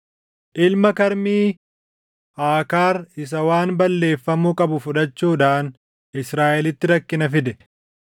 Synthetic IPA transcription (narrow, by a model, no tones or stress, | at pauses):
ʔɪlmɐkɐɾmiː | ʔaːkaːɾɪs̬ɐwaːnbɐlːe̞ːfːɐmukʼɐbʊfʊᶑɐt͡ʃːuːᶑaːn | ɪsɾaːʔɛlɪt̪ːɪɾɐkːɪnɐfɪd̪ɛ